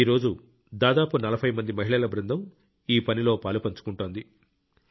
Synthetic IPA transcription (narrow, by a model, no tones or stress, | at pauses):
iːɾo̞ːd͡ʒu | d̪aːd̪aːpunɐlɐbʰʱɐjmɐnd̪imɐɦiɭɐlɐbɾɐnd̪ɐm | iːpɐnilo̞ːpaːlupɐɲt͡ʃu̥kuɳʈoːnd̪i